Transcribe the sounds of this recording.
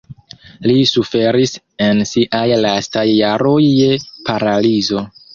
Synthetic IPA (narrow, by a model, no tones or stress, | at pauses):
lisufe̞ɾis | e̞nsiʔajlastajːaɾo̞jːe̞paɾalizo̞